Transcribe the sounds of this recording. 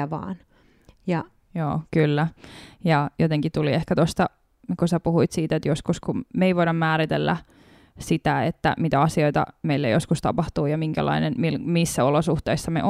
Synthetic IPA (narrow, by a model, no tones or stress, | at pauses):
æʋɑ̰ːn | jɑ | jo̰ːkylːæjɑjot̪eŋkit̪uliehkæt̪ost̪ɑ | kusæpuhuit̪siːt̪et̪joskuskummeiʋoidɑmːmæːɾit̪elːæ̰ | sit̪æet̪ːæ̰mit̪æɑsioit̪ɑ̰meilːæjoskust̪ɑ̰pɑht̪uːjɑmiŋkæ̰lʔɑ̰inenmilmisːæolosuht̪eisːɑmḛʔ